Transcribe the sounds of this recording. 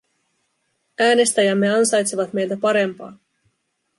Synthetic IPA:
æːne̞st̪æjæmːe̞ɑnsɑjt̪seʋɑt̪me̞jlt̪æpɑɾe̞mpɑ̰ː

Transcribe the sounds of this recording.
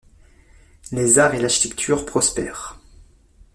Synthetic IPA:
lezaʁelaʁʃi̥t̪ɛkt̪ʰyʁpχɔspɛ̰ːʁ

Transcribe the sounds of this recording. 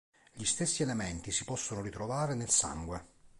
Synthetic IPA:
ʎist̪esːielemɛnt̪isipɔsːonoɾit̪ɾovaːɾenelsa̰ŋɡwe

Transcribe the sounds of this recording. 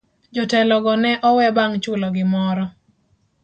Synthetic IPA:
d͡ʒɔtɛlɔɡɔnɛʔɔwɛbaŋt͡ʃʊlɔɡɪmɔɾɔ

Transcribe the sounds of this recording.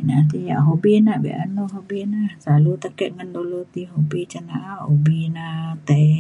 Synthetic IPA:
naʔt̪̬ija̰ʔɦobinaʔbḭʔa̰noɦobinasalut̪akɛʔ̪̚ŋandolot̪iɦobit͡ʃanaʔahobinat̪ai

